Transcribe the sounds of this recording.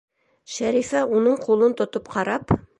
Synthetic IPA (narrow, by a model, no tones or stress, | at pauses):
ʃæɾifæunɤɴqʰulˠɤnt̪ŏt̪ɤpqʰɑɾɑp